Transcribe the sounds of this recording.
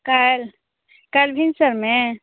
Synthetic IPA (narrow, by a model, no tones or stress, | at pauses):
kal | kalbʱinsəɾmẽ